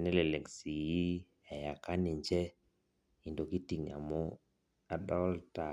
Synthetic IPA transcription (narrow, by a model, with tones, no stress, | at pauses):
nɛ˦lɛ˨le˨ksi˨ji˦ | ɛ˨ja˨ka˦nɪ˨ɲd͡ʒɛ˦ | i˨ndo˨ki˦ti˨ŋa̰˨mɔ˦ | a˨dɔ˦lta˨